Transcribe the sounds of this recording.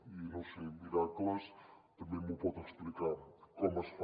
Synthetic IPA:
inõsimiɾakləst̪əmẽmupɔt̪eksplikakɔməsf

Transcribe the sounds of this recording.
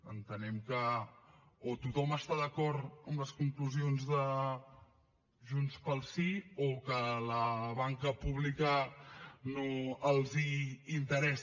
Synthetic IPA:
ənt̪ənɛmkə | ot̪ut̪ɔməst̪aðəkɔɾt̪əmləskuŋkluzionzðə | ʒunspəlˠsiokələβaŋkəpuβlikə | noəlˠziːnt̪əɾɛs

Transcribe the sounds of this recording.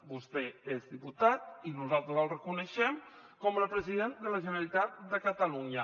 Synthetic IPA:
bust̪eezðiput̪at̪̚inuzalˠt̪ɾəzəlˠrəkunəʃɛm | kɔmləpɾəziðend̪ələʒənəlit̪at̪̚d̪əkət̪əluɲə

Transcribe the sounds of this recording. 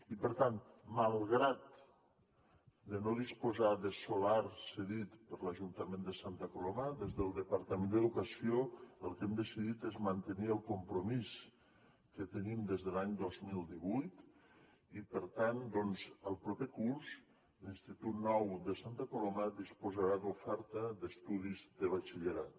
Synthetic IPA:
ipəɾt̪anmalˠɣɾat̪̚ | d̪ənoðispuzaðəsolaɾsəðit̪pəɾləʒunt̪əmẽnd̪əsant̪əkuloməðezðəlˠd̪əpəɾt̪əmend̪əðukəsioəlˠkɛmd̪əsiðit̪ezmənt̪əniəlˠkumpɾumis | kət̪ənimd̪ezðəlaɲd̪ɔzmilˠd̪iβujt̪ | ipəɾt̪and̪ɔnzəlˠpɾopekuɾz | linst̪it̪ut̪̚nɔwd̪əsant̪əkulɔməd̪ispuzəɾad̪ufɛɾt̪əd̪əst̪uð̞izd̪əβat͡ʃiʎeɾa

